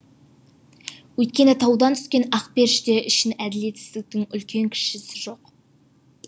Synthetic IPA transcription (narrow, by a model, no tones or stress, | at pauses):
wɵjt̪̚kʲe̞nɪt̪ʰɑwd̪ɑnt̪ʰʏ̥skʲe̞nɑqpe̞ɾʃd̪eʔɪʃɪnæd̪ɪle̞t̪sɪ̥zt̪ɪk̚t̪ɪŋʏlkʲe̞ŋkʲʰɪ̥ʃɪsɪʒo̞q